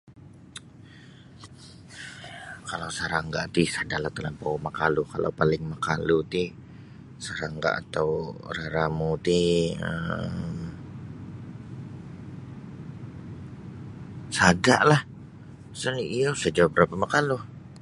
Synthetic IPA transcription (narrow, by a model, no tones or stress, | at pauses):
kalawsəɾaŋɡaʔt̪ɪsadalaht̪əlampawmakalukalʔa̰wpalɪŋmakalut̪i | səɾaŋɡa̰ʔa̰t̪awɾaɾamut̪iə̰m | sadaʔlah | səniijosəd͡ʒawbəɾapamakalu